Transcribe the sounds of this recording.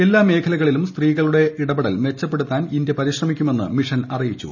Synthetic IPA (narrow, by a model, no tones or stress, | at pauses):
e̞lːaːme̞ːkʰɐlɐɣɐɭilumst̪riːɣɐɭuɽe̞iɽɐbɐɽɐlme̞t͡ɕːɐpːe̞ɽut̪ːaːninde̞pɐɾiɕrɐmikʲːume̞nːɨ̰miʂɐnɐrijit͡ɕːṵ